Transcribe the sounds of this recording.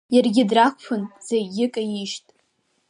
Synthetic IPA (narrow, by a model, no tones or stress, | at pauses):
jarɡʲɪdrakʷʰpʰʊnz̥eɡʲɪkʼajiʃtʼ